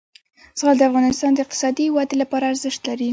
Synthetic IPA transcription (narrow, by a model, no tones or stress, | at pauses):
z̥əɣɑld̪əafɣɑnɪst̪ɑnd̪əɪq̚t̪ɪ̥sɑd̪ihɪwɑd̪elapɑɾaːɾzɪʃt̪laɾi